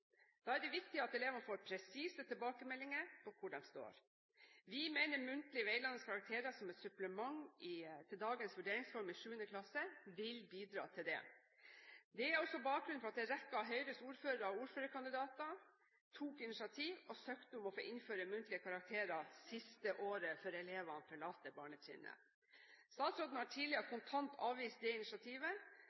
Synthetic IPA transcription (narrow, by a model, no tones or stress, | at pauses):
d̪̥ɑːæɖɛʋɪkt̪ɪɑt̪ɛleːʋəɑnəfoːɾpʰɾɛsiːsət̪ʰɛlbɑːkəmɛlːɪŋəɾpʰɔkʰʊɖɛmst̪o̰ːɾ | ʋɪmeːnəɾmʉnt̪lɪʋeɪlɑnːəskʰɑɾɑk̚t̪ʰeːɾɑsɔmɛt̪sʉpləmɑŋɪt̪ʰɪld̪ɑːɡənsʋʉɖeːɾɪŋsfɔɾmɪʂʉːənəkʰlɑsəʋɪlbiːd̪ɾɑ̰ːt̪ʰɪld̪ɛ̰ | d̪ɛæɾɔsɔbɑːk̚ɡɾʉnfɔɾɑt̪̚d̪ɛɾɛkːɑɦœʏɾəsuːɾføːɾəɾɔuːɾføːɾəkʰɑnd̪ɪd̪ɑːt̪ɑ | t̪ʰuːkɪnɪʂɑt̪ʰiːʋɔsøːkt̪əɔmɔfo̰ːʔɪnføːɾəmʉnt̪lɪəkʰɑɾɑk̚t̪ʰeːɾɑsɪst̪əʔoːɾəføːɾɛleːʋɑnfʰɔɭɑːt̪ːəbɑːɳəsɪ̰nə̰ | st̪ɑːt̪sɾɔd̪n̩hɑʈʰiːlɪkʰʊnt̪ʰɑnt̪ʰɑːʋʋiːst̪̚d̪ɛɪnɪʂɑt̪ʰiːʋə